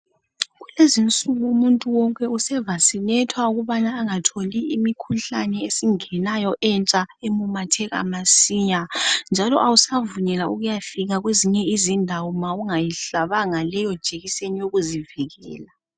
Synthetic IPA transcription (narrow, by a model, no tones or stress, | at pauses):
ɣulezint͡sʼuɣumuntʼuwɔŋkʼɛusɛvasinɛtʰwauɣuβanaːŋatʰoliimikʰuɬanɛesiŋɛnajɔʔɛnt͡ʃʼaemumatʰɛɣa̰masiɲand͡ʒʱalɔʔawusavuɲɛlauɣujafiɣaɣweziɲɛizindʱawɔmawuŋajiɬaβaŋalɛjɔd̥ʒ̥ʱeɣisenijoɣuziviɣɛ̰ːla